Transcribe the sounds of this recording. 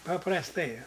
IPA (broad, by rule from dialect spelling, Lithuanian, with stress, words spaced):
pɐprɐsˈtɐɪ